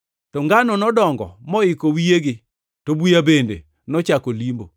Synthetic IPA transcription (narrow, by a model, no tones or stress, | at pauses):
tɔŋɡanɔnɔdɔŋɡɔ̰mɔɪkowijeɡɪ | tobujabendḛ | nɔt͡ʃakolimbo̰